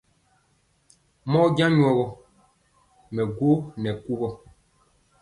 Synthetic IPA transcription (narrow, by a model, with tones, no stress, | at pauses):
mɔ˦ɟã˦ɲwɔ˨ɣɔ˨ | mɛ˨ɡo˦nɛ˨ku˦ɣɔ˨